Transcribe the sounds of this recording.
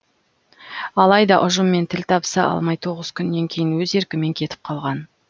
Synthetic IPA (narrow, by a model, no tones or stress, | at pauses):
ɑlˠɑjd̪ɑʔʊʒəmːe̞nt̪ʰɪlt̪ʰɑpsɑʔɑ̰lˠmɑjt̪ʰo̞ʁəz̥kʲʰʏnːe̞ŋkʲʰe̞jɪnwɵze̞ɾkʲɪme̞ŋkʲʰe̞t̪ɪ̥p̚qʰɑlˠʁɑn